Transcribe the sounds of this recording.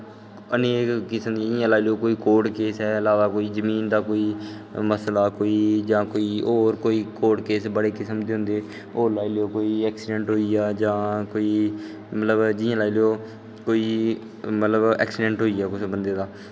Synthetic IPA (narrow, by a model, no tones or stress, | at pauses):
əneːkːɪsəmd̪iːd͡ʒɪjãːlaːilejoːkoːiːkoːʈkeːsɦɛːlaːʋaːkoːiːzəmiːnd̪aːkoːiː | məslaːkoːiːd͡ʒãːkoːiːoːɾkoːiːkoːʈkeːsbəɽeːkɪsəmd̪eːɦʊ̃nd̪eː | oːlaːileoːkoːiːɛːksɪɖɛ̃ɳʈɦoːijaːd͡ʒãːkoːiː | mət̪ləbd͡ʒɪãːlaːileoː | koːiː | mət̪ləbɛ̰ːksɪɖɛ̃ɳʈɦoːijaːkʊsbənd̪eːd̪aː